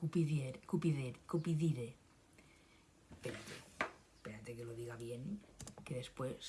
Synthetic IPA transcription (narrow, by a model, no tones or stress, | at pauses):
kupiðjeɾkupiðeɾkopiðiɾe | peɾat̪ḛ | peɾat̪ekeloðiɣaβjeŋkeðespwes